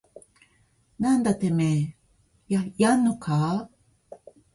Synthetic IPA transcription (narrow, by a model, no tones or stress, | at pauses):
nand̪at̪eme | jajanokʰa